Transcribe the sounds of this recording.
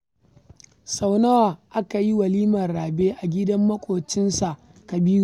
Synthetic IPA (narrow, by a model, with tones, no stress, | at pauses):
sa˨wnɐ˦waː˨ʔa˦ka˨ji˦wɐ˨liː˦mɐ˨rɽaː˨beː˦ʔa˨ɡʲɪ˦dɐ˦mːɐ˦kʷʼoː˨t͡ʃɪ˦nsa˨ʔ | kɐ˨biː˦nu˨